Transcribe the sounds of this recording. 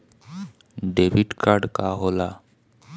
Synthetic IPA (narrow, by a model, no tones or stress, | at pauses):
ɖebiɖkʰaɾɖkaɦola